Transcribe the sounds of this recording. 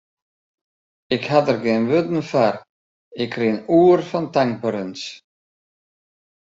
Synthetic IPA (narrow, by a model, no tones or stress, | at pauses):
ɪkhatərɡeːnʋɵdn̩far | ɪkrinuːrfantaŋpəɾəns